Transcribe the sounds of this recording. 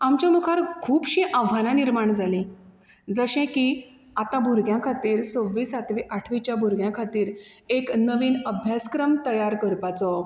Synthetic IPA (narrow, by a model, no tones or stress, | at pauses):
amt͡ɕjamukʰaɾkʰuːbɕĩʔaʋ̤ʱanãniɾmaɳd͡zʱalĩ | d͡zəɕɛ̃ki | at̪ãbuɾɡjãkʰat̪iːɾsõʋːiːsat̪ʋiʔaʈʰʋit͡ɕjabʱuɾɡjãkʰat̪iːɾeknəʋiːnəbʱjaskɾəmt̪əjaɾkəɾpat͡sɔ